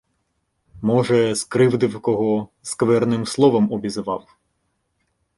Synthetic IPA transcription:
mɔʒɛskɾɪwd̪ɪwkɔɦɔskʋɛrnɪmslˠɔʋɐmɔbʲizʋɑ̰w

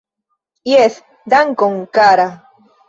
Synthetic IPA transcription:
jes | d̪aŋkoŋkaɾa

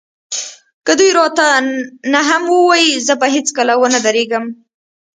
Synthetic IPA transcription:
kəd̪ujɾɑt̪anaɦamwəwɑjizəbaɦet͡skəlawənad̪aɾeɡəm

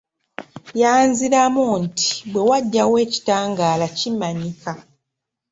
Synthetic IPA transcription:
jaːnziɾamunti̥bwe̞waɟːawe̞ːci̥taːŋɡaːlacimaɲika

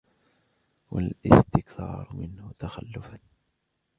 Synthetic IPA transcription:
wa̰lʔɪ̰st̪ɪkθɑ̰ːɾˤmɪnhʊt̪axalːʊfa

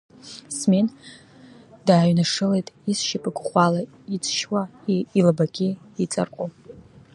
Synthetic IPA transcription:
smen | daːɥnaʂɨle̞jtʼisʃapʼɨɡʷχʷala | it͡sʰʃwailbaɡʲɪ | it͡sʼa̰rqʷʼo

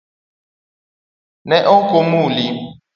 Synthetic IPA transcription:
nɛʔɔŋkomuli

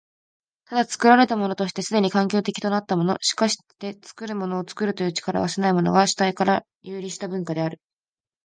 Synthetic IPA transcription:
t̪ad̪at͡sɨ̥kɯ̟ɾaɾe̞t̪amo̞no̞t̪o̞ɕi̥t̪e̞sɨd̪e̞ɲ̟ikãŋkʲo̞ːt̪e̞kʲi̥t̪o̞nat̪ːamo̞no̞̰ɕi̥kaɕi̥t̪e̞t͡sɨ̥kɯ̟ɾɯ̟mo̞no̞ːt͡sɨ̥kɯɾɯ̟t̪o̞jɯ̟ːt͡ɕi̥kaɾa̰βasenaimo̞no̞̰ɡaɕi̥t̪aikaɾa | jɯːɾʲiɕi̥t̪abɯ̟̃ŋkad̪e̞aɾɯ̟

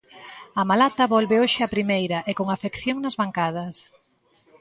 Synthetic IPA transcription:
ɐmalat̪ɐβɔlβeoʃɪapɾimejɾɐʔekoŋafekθjoŋnɐzβaŋkað̞ɐs

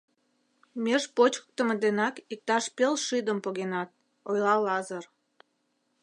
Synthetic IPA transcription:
mʲeʃpot͡ɕə̥k̚t̪əmed̪enɑkik̚t̪ɑʃpelʃid̪əmpoɣenɑt̪̚ | ojlɑlɑzər

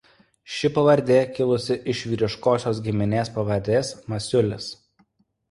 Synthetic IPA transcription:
ʃʲɪpɐʋɐɾʲd̪ʲeːkʲɪlˠʊsʲɪʔɪʃʲʋʲiːɾʲɪʃkoːsʲoːsɡʲɪmʲɪnʲeːspɐʋɐɾʲd̪ʲeːsmɐsʲʊlʲɪs

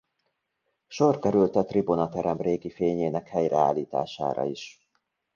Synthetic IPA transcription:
ʃo̞rkɛɾylt̪ɛt̪ribunɒt̪ɛɾɛmreːɡifeːɲeːnɛkhɛjrɛ̰a̰ːlːiːt̪a̰ːʃa̰ːɾɒ̰iʃ

